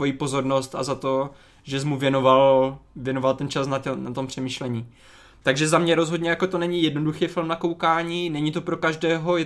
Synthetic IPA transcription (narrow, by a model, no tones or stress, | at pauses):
vo̞jiːpo̞zo̞ɾnost̪a̰zat̪o̞ | ʒɛs̬muvjɛnovalvjɛno̞valt̪ɛnt͡ʃasnatɛnat̪o̞mpr̝̥ɛmiʃlɛɲiː | t̪aɡʒɛzamɲɛɾozɦo̞dɲɛjakot̪o̞nɛɲijɛdnoduxɛːfɪlmnakowkaːɲiːnɛɲit̪o̞pɾo̞kaʒdɛːɦo̞jɛ